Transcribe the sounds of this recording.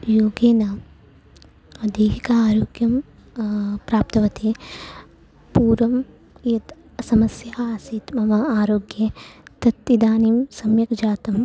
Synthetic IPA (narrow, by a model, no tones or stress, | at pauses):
joːɡeːnɐ | ɐd̪ʱiːɦikɐaːɾoːɡjɐm | pɾaːp̚t̪ɐʋɐt̪ʰe | puːɾʋɐm | jɐt̪ | sɐmɐsjɐːsit̪mɐmɐaːɾoːɡjɐt̪ɐt̪ːid̪aːniːmsɐmjɐkd͡ʒaːt̪ɐm